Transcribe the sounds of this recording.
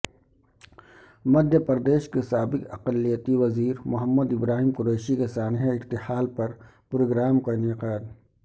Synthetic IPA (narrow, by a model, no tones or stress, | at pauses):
mɐd̪ʱjəpɐɾd̪eːʃkesaːbɪkɐqəlːijət̪iʋɐziːɾmʊɦəmːəd̪ɪbɾaːɦimkʊɾeːʃikesaːnɦaɪɾt̪ɪhaːlpɐɾ | pɾoːɡɾaːmkaɪnɪqaːd̪